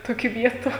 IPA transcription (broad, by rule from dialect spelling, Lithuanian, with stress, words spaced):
ˈtoːkʲiː ˈʋʲiɛtʊ